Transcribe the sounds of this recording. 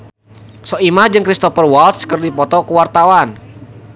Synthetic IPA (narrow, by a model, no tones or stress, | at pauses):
sɔimahd͡ʒɨŋkɾist̪ɔfərwɔlt̪skərdipɔt̪ɔkuwart̪awan